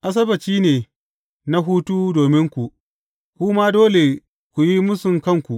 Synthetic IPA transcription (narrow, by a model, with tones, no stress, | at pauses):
ʔa˦s̬ɐ˦bɐ˨t͡ʃiː˦neː˨ | na˦ɦuː˦tuː˦doː˨mɪ˦ŋkʷu˨ʔ | kʷuː˦ma˦doː˦le˨ | kʷu˨ji˦mʊ˦sʊ˨ŋkɐ˦˨ŋkʷu˨ʔ